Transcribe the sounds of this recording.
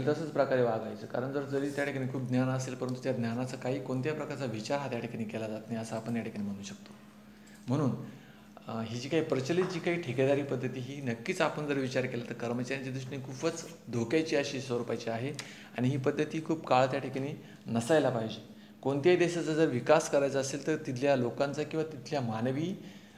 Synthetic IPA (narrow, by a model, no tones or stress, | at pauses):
əlt̪əsəːt͡spɾəkaɾeʋaɡajt͡səːka̰ɾəɳd͡zəɾd͡zəɾiːt̪jaʈʰikaɽikʰuːpb̚ɡ̪njanəselpəɾənt̪ut̪jad̪njanat͡səkaɦiːkoɳt̪japɾəkaɾt͡saʋit͡ɕaɾɦat̪jaʈʰikaɽ̃iːkelad͡zat̪najəsaːpəɳt̪jaʈʰikaɽ̃iːm̤əɽ̃ũːɕək̚t̪o̥ | m̤əɽ̃uːn | ɦiːd͡ʑiːkaɦiːpɾət͡ɕəlit̪̚d͡ʑiːkaɦiːʈʰeked̪aɾiːpəd̪ʱːət̪iːɦiːnəkːiːt͡sapəɳd͡zəɾʋit͡ɕaɾkelat̪əɾkəɾmət͡ɕaɾjãt͡ɕed̪ɾuʂʈɳiːkʰuːfət͡s | d̪ʱokjajt͡ɕiːəɕiːsoɾupajt͡ɕiaɦe | aɽ̃iɦiːpəd̪ʱːət̪iːkʰuːbkaɭat̪jaʈʰikaɽ̃iː | nəsajlapaɦid͡ʑe | koɳt̪jaid̪eɕad͡zad͡zəɾʋikaskəɾajat͡saəseːlt̪əɾt̪it̪ʰljalokãnt͡sakĩw̃ʋat̪it̪ʰljamanʋiː